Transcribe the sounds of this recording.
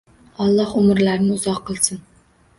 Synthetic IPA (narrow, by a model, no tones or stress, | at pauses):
ɑlˠːɑhʊmɨɾlæɾnɪuzɑqʰːəlˠsɨn